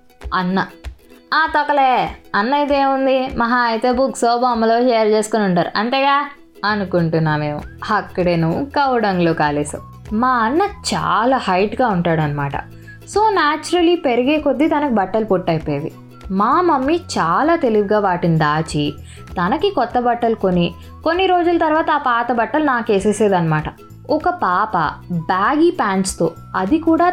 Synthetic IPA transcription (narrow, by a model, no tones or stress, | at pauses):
ɐnːɐaːt̪ɔkɐleːɐnːɐjt̪̬eːmund̪imɐɦaɐjt̪eːbuksoːbɐmːɐlot͡ʃɛːjɐɾd͡ʒeːsu̥konuɳʈaːɾṵʔɐɳt̪eːɡaː | ɐnukuɳʈunːaːme̞ːmṵɐkːɐɽeːnuːkɐwɽɐŋɡloːkaːleːsɐ̰ | maːɐnːɐt͡ʃa̰ːlaːhɐjʈɡaːuɳʈaːɽuɐnːɐmaːʈɐ̰ | so̞ːnaːt͡ʃuɾɐlːipeɾɐɡeːkod̪ːit̪ɐnɐkibɐʈːɐlupoʈːɐjpːeːd̪ḭ | maːmɐmːit͡ʃaːlaːt̪e̞liɡɡaːʋaːʈinid̪aːt͡ʃi | t̪ɐnɐkikɔt̪ːɐbɐʈːɐlko̞ni | ko̞nːiɾo̞ːd͡ʒulɐt̪ɐɾʋaːt̪ɐaːpaːt̪ɐbɐʈːɐlunaːkeːseːseːd̪ɐnːɐmaːʈɐ | ɔkɐpaːpɐ̰baːɡipaːnt͡ʃt̪oː | ɐd̪ikuːɽaː